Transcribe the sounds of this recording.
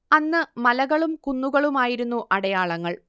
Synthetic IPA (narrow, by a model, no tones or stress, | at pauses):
ɐnːɨmɐlɐɣɐɭumkunːuɣɐɭumaːjiɾunːuʔɐɽɐjaːɭɐŋːɐɭ